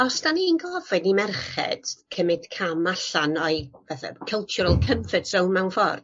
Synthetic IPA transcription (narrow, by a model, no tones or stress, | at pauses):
ɔsd̥aninɡɔvɨdnimɛrχɛ̰d̥kʰəmɨd̥kʰamaɬanɔɨvɛθa̰kʰəlˠt͡ʃʰʊɾəlˠkʰəmfədsownmɛwnfɔ̰r